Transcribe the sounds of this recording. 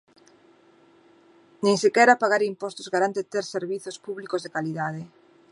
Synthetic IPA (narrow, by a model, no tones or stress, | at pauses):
nẽŋsekɛɾapaɣaɾimpɔst̪ʊzɣaɾant̪et̪eɾseɾβiθospuβlikozðekaliðað̞e